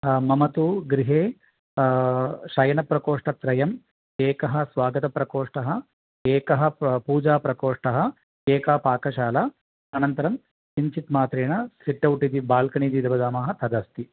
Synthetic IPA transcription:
mɐmɐt̪uɡɾiɦeː | ʃɐjɐnɐpɾɐkɔːʂʈɐt̪ɾɐjɐm | eːkɐɦɐ̆sʋaːɡɐt̪ɐpɾɐkɔːʂʈɐɦɐ̆ | eːkɐɦɐ̆puːd͡ʒaːpɾɐkɔːʂʈɐɦɐ̆ | eːkaːpaːkɐʃaːlɐ | ɐnɐnt̪ɐɾɐm | t͡ʃiɲt͡ʃit̪maːt̪ɾeːɳɐsiʈːɐwʈid̪ibaːlkɐɳid̪id̪ɐbɐd̪aːmɐːɦɐt̪ʰɐd̪ɐst̪i

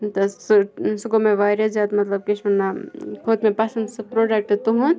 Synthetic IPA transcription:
t̪ɐssuɡomẽʋaɾɐd͡ʒaːt̪mɐt̪lɐb̚kiʃɐnːakʰoːd̪mẽpɐsɐnd̪sɨpɾoɖɐk̚ʈt̪uɦun

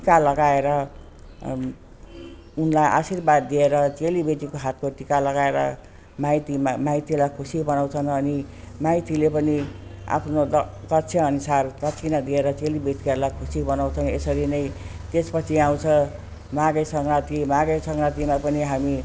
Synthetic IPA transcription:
t̪ikalʌɡaeɾʌ | unlajʔa̰sirbad̪ːieɾʌt͡selibet̪ikoɦat̪koʈ̪ikalʌɡaeɾʌ̰ | majt̪imamajt̪ilajkʰusibʌnaw̃t͡sʰʌnʌni | majt̪ilepʌnia̰pʰnod̪ʌkʌtt͡sʰʌʌnusartʌt͡sʰinad̪ieɾʌt͡selibet̪ikalakʰusibʌnaw̃t͡sʰʌnesʌɾinʌj | t̪espʌt͡sʰiaw̃t͡sʰʌ | maɡʌjsʌŋrat̪imaɡʌjsʌŋrat̪imapʌniɦami

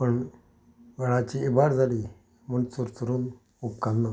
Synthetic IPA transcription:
pəɳ | ʋəɭat͡ɕiibaɾd͡zʱali | məɳt͡suɾt͡suɾuːn | upkanːa

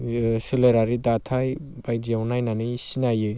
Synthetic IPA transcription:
sileɾaɾidatʰajbajdiawnajnanɯjsinajɯ

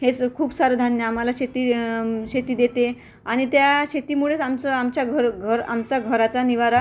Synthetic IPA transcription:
ɦet͡skʰuːbsaɾəd̪ʱanjəam̤alaɕet̪iɕet̪iːd̪et̪e | aɽ̃it̪jaɕet̪iːmuɭet͡samt͡səamt͡ɕjaɡʱəɾɡʱəɾa̰mt͡saɡʱəɾat͡saniʋaɾa

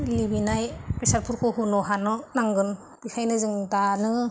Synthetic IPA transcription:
libinajpɾisaɾpʰuɾkʰɯɦunɔɦanɔnaŋɡɯn | b̥ikʰajnɯzɯŋdanɯ

